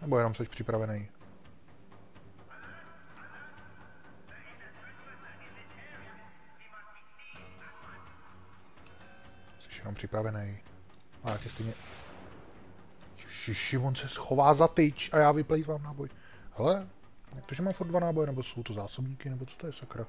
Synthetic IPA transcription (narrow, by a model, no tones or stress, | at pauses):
nɛbojɛnomsɛʃpr̝̥ɪpɾavɛnɛj | sɛ̥ʃjɛnompr̥ɪpɾavɛnɛj | ʔajaːcɛst̪ɛjɲɛ | ʃɪʃɪvonsɛsxovaːzat̪ɪt͡ʃʔajaːvɪplɛjivaːmnaːboj | hɛlɛ | akt̪oʒɛmaːmfurt̪dvanaːbojɛnɛbosowt̪ozaːsobɲiːkɪnɛbot͡so̥t̪ojɛsakɾa